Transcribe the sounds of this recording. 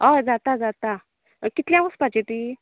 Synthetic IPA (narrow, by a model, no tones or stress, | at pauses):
ɔd͡zat̪ad͡zat̪a | kit̪ljãʋəspad͡ʑeʈ̪i